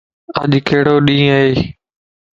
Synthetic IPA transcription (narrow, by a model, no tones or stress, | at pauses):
ə̰ʄkʰeːɽoːɗĩːaɦeː